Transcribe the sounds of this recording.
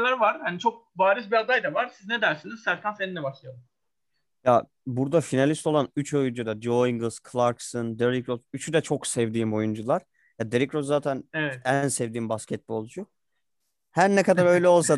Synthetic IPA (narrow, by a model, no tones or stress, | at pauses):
lʲæɾvaɾ̥hanit͡ʃʰok̚baːɾisbiad̪ajd̪avaɾsiznɛd̪æɾsiniz̥sæɾt̪ʰænseninlʲɛbaʃlˠajad̪ | ja | buɾd̪afinalʲist̪o̞lˠanyt͡ʃʰo̞jund͡ʒud̪ad͡ʒoiŋɡɯlˠz̥kʰlˠaɾksɯnd̪eɾikɾosyt͡ʃʰyd̪ɛt͡ʃʰo̞ksɛvd̪iːmo̞jund͡ʒulˠaɾ̥ | jad̪eɾikɾozzaːt̪ʰænɛvɛt̪ænsɛvd̪iːmbascɛt̪̚bo̞lˠd͡ʒu | hæɾnɛkad̪aɾø̞jlʲɛo̞lˠsa